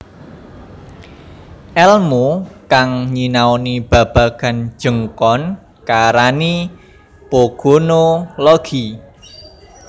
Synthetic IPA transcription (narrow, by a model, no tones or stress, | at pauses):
ʔɛlmokaŋɲinaonib̥a̤b̥a̤ɡ̥a̤n̥d͡ʒ̥ə̤ŋkɔn | kaɾani | poɡ̥onolɔɡ̥i